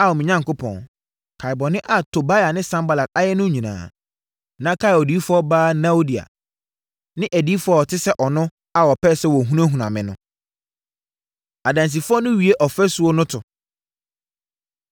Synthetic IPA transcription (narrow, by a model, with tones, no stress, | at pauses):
a˨wɔ˨mĩ˨ɲã˦ŋko˦pʰɔ̰̃˨n | kʰa˨bɔ˨nɪ̃˦ʔa˨tʰo˨ba˦ja˨nɪ̃˦sã˦mba˨la˨k̚a˦jɛ˦nʊ̃˦ɲĩ˨nã̰ː˨ | nã˦kʰa˦jɔ˨di˨˦fʊ˦ɔ˦baː˦nã˦o˦di˨a̰˨ | nɪ̃˦ʔæ˨di˦fʊ˦ɔ˦ɔ˨tʰɪ˦sɛ˦ʔɔ˨nʊ̃˦ | a˨wɔ˨pɛ˦sɛ˦wɔ˨ɦũ˦nã˦ɦũ˨nã̰˨mɪ̰̃˨nʊ̰̃˦ | a˨dã˨ns̬i˨fʊ˦ɔ˦nʊ̃˦ɥi˨e˦ʔɔ˨fɛ˦sʊ˦o˦nʊ̃˦tʰʊ˨